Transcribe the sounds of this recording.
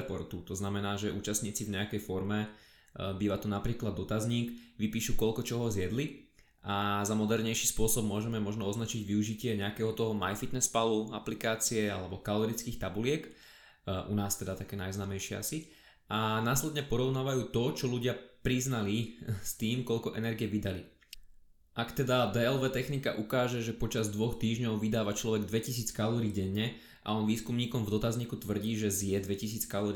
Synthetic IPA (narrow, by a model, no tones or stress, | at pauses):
pɔɾt̪ut̪ɔznamɛnaːʒɛʔṵːt͡ʃast̪ɲiːt͡sivɲɛakɛjfɔɾmɛ | biːʋat̪ɔnapɾiːklad̪ːɔt̪azɲiːkʋipiːʃukɔlkɔt͡ʃɔɦɔzɪɛd̪li | ʔazamɔd̪ɛɾɲɛjʃiːspʊɔsɔb̚mʊɔʒɛmɛmɔʒnɔɔznat͡ʃiɟʋiuʒicɪɛɲɛakɛːɦɔt̪ɔɦɔmajfit̪nɛspaluaplikaːt͡siɛa̰lɛbɔkalɔɾit͡skiːxt̪abulɪɛk | ʔṵnaːst̪ɛd̪at̪akɛːnajznaːmɛjʃɪɛa̰si | ʔanaːslɛd̪ɲɛpɔɾɔʊnaːʋajuːt̪ɔt͡ʃɔluɟɪapɾiznalist̪iːmkɔʎkɔʔɛnɛɾɡiɛʋid̪ali | ʔakt̪ɛd̪ad̪ɛɛlʋɛːt̪ɛxnika̰ʔukaːʒɛʒɛpɔt͡ʃazd̪ʋɔxt̪iːʒɲɔʊʋid̪aːʋat͡ʃlɔʋɛɡd̪ʋɛcis̬iːt͡skalɔɾiːɡɟɛɲːɛ | ʔa̰ɔnʋiːskumɲiːkɔmvd̪ɔt̪azɲiːkut̪ʋr̩ɟiːʒɛzjɛd̪ʋɛcisiːt͡skalɔɾi